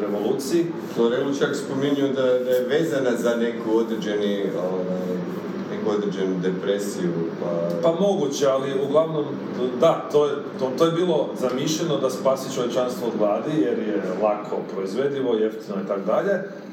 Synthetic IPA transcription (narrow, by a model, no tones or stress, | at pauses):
ɾeʋo̞lˠuːt̪siji | oɾeolut͡ʃiakspomiɲujud̪ad̪ajeʋeːzanazane̞kuod̪ɾed͡ʑenioʋaj | nekuo̞d̪ɾed͡ʒenud̪epɾesiupapamo̞ɡut͡ɕealiuɡlˠaʋno̞m | d̪at̪oje | t̪ot̪oːje̞biːlˠo̞zamiʃʎenod̪aspaːsit͡ʃoje̞t͡ʃanst̪ʋoːd̪ʋlˠaːd̪ije̞ɾjelˠakʰo̞pɾo̞izʋe̞d̪iʋo̞jeft̪ino̞it̪akod̪aʎe̞